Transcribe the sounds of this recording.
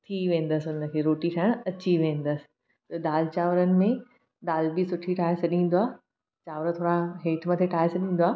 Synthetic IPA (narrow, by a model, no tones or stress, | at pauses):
t̪ʰiʋẽːn̆d̪əsɪʊnəkʰeːɾoːʈiʈʰaɪɽ̃ɐt͡ɕiʋẽːn̆d̪əsɪ̥̆ | t̪ɐɗ̪aːlt͡ɕaːʋəɾənɪ̆mẽ | ɗ̪aːlbisʊʈʰiʈʰaːesɐɗĩːn̆d̪oaː | t͡ɕaːʋɾt̪ʰoːɽaɦeːʈʰmɐt̪ʰeʈʰaːɪsɐɗĩːn̆d̪oaː